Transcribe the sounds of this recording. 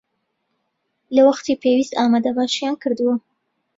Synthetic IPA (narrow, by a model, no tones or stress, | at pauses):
lawaxt̪epewist̪ɑmad̪avɑʃijɑnkəɾd̪uwo